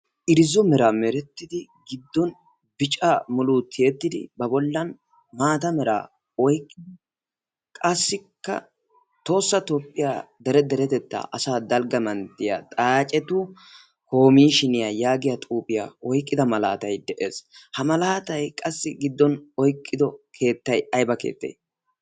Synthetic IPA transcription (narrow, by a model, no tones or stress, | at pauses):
ʔɪɾɪzɔmɛɾamɛɾɛt̪ːɪd̪ɪɡɪd̪ːɔn | bɪt͡ʃʼamʊluːt̪ʰːɪjɛt̪ːɪd̪ɪ̰bɐbɔlːɐn | maːt̪ɐmɛɾa̰ː | ɔjkʼːɪd̪ɪ | kʼɐsːɪkːɐ̰ | t̪o̞ːsːɐt̪oːpʼːɪjaːd̪ɛɾɛd̪ɛɾɛt̪ɛt̪ːa̰ʔɐsaːd̪ɐlɡɐmɐnt̪ːɪja̰t̪ʼaːt͡ʃʼɛt̪u | ho̞ːmiːʃɪnɪjajaːɡɪjat̪ʼuːpʼɪja̰ɔjkʼːɪd̪ɐmɐla̰ːt̪ɐjd̪ɛʔe̞̰ːshɐmɐlaːt̪ɐjkʼɐsːɪɡɪd̪ːɔnɔjkʼːɪd̪ɔkʰe̞ːt̪ːɐjɐjbɐkḛːt̪ːḛj